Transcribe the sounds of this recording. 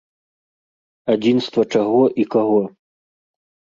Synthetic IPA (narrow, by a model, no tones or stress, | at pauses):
ad͡zʲinst̪vɐt͡ʂaɣɔʔikaɣɔ